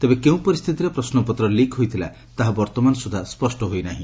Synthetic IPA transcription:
t̪ebekeũpɔɾist̪ʰit̪iɾepɾɔsnɔpɔt̪ɾɔlikɦojt̪ʰila̰ | t̪aɦabɔɾt̪ɔmanɔsud̪ʱaspɔsʈɔɦojnaɦḭ̃

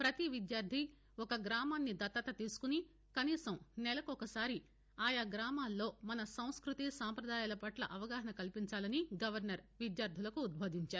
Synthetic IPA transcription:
pɾɐt̪iʋid̪jaːɾd̪ʱi | ɔkɐɡɾaːmaːnːid̪ɐt̪ːɐt̪ɐt̪iːsu̥kuni | kɐniːsɐmnɛlɐkɔkɐsaːɾi | aːjaɡɾaːmaːlːo̞ːmɐnɐsɐ̃w̃skɾut̪isaːmpɾɐd̪aːjaːlɐpɐʈlɐ̰ʔɐʋɐɡaːɦɐnɐkɐlipiɲt͡ʃaːlɐniɡɐʋɐɾnɐɾʋid̪jaːɾd̪ʱilɐkuːd̪̚bʱoːd̪iɲt͡ʃaːɾu

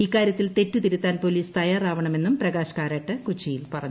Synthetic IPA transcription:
ikːaːɾjɐt̪ːilt̪e̞tːut̪iɾut̪ːaːnpoliːst̪ɐjaːraːʋɐɳɐme̞nːumprɐɣaːɕɐ̥kaːɾaːʈːɨkut͡ɕːijilpɐrɐɲː

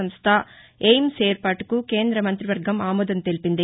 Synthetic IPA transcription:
ɐmst̪ʰɐ | ejmseːɾpaːʈu̥kuke̞ːnd̪ɾɐmɐnt̪ɾiʋɐɾɡʱɐmaːmɔːd̪ɐnt̪e̞lipind̪i

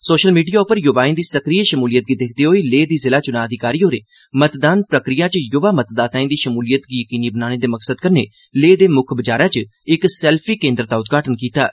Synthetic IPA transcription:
soːʃəlmiːɖijaːʊpəɾjʊʋaːĩd̪iːsəkɾieʃəmuːlijət̪̚ɡiːd̪ɪkʰd̪eːɦoːiːleːd̪iːzɪlaːt͡ʃʊnaːəd̪ɪkaːɾiːɦoːɾḛː | mət̪d̪aːnpɾəkɾɪjãːt͡ʃjʊʋaːmət̪d̪aːt̪aːĩd̪iːʃəmuːlijət̪ɡiːjəkiːniːbənaːɽ̃eːd̪eːməksəd̪kəɾnḛː | leːd̪eːmʊkʰbəd͡ʒaːɾãːt͡ʃə | ɪksɛːlpʰiːkẽːnd̪ɾt̪aːʊt̪̚ɡaːʈənkiːt̪aː

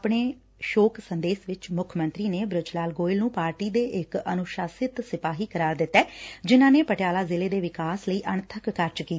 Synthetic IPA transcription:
pɳ̃eː | ʃoːksənd̪eːsʋɪt͡ʃmʊkʰmə̃nt̪ɾiːneːbɾʊd͡ʒlaːlɡoːɪlnũːpaːɾʈiːd̪eːʔɪkənʊʃaːsɪt̪sɪpaːɦiːkəɾaːɾd̪ɪt̪ːɛːd͡ʒɪnãːneːpəʈejaːlaːzɪleːd̪eːʋɪkaːsləiːʔəɳt̪ʰəkːəɾd͡ʒkiːt̪ː

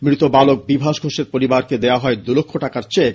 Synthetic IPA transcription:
mɾit̪obalok̚bibʱaʃɡʱoʃeɾpoɾibaɾked̪eaɦɔed̪ulokʰːoʈakaɾt͡ɕek

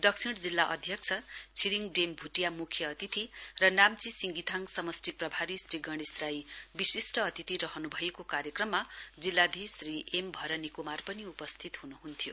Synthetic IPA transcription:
d̪ʌksʰiɽd͡zilːaʔʌ̰d̪ʱjʌk̚t͡sʰʌt͡sʰiɾiŋɖembʱuʈijamukʰjʌːt̪it̪irʌnamt͡sisiŋɡit̪ʰaŋsʌmʌsʈiprʌbʱaɾisriɡʌɽ̃esrajbisisʈʌːt̪it̪iɾʌɦʌnubʱʌjekokaɾjʌkrʌmːad͡zilːad̪ʱisriʔembʱʌɾʌnikumarpʌniupʌst̪ʰit̪ɦunuɦunt̪ʰjo

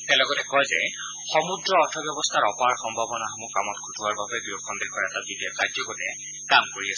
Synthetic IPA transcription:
tɛlɔɡɔtɛkɔjzɛ | xɔmudɹɔːtʰɔbjɔbɔstʰaɹɔpaɹxɔmbʱabɔnaxɔmukamɔtkʰutʰuwaɹbabɛɡiokʰːɔndekʰɔɹɛtabidiɔkad͡ʒzɔkɔtɛ | kamkoɹias

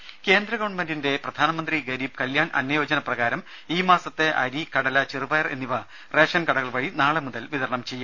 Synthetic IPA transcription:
ke̞ːnd̪ɾɐɣɐʋɐɳɖmɐndinde̞prɐd̪ʱaːnɐmɐnd̪riɡɐɾiːb̚kɐljaːɳʔɐ̰nːɐjo̞ːd͡ʑɐnɐprɐɣaːɾɐm | iːmaːsɐt̪ːeʔɐɾikɐɽɐlɐt͡ɕirɨbɐjɐre̞̰nːiʋɐ | re̞ːʂɐnkɐɽɐɣɐɭʋɐɻinaːɭemuðɐlʋiðɐɾɐɳɐmt͡ɕe̞jːu

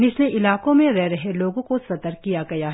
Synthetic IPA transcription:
nɪsneʔɪlaːkõmẽɾɛɦɾɐɦeloːɡõkosɐt̪əɾkijaɡɐjaɦ

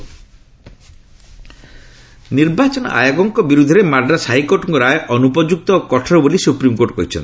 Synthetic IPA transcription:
niɾbat͡ʃɔnɔ̰a̰jaɡɔŋkɔbiɾud̪ʱɔɾemaɾɖasaɦikoʈɔŋkɔɾaeʔɔnupɔd͡ʒuk̚t̪ɔkɔʈʰɔɾɔbolisupɾimkoɾʈkɔ̰ɦit͡ʃʰɔ̰n

